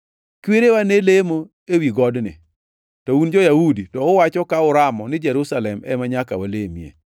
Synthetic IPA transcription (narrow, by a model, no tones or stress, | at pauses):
kweɾewanelemo | ewiɡɔdnɪ̰ | tɔund͡ʒɔjahuditɔʊwat͡ʃɔkaʊɾamɔnɪd͡ʒɛɾusalɛmɛ̰maɲaka̰walemjḛ